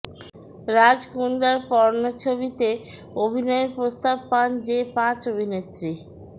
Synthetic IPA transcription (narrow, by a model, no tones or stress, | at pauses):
ɾad͡ʑkund̪aɾpɔɾnot͡ɕʰoβit̪e | obʱinɔepɾost̪ab̚pand͡ʑepãt͡ɕobʱinet̪ɾi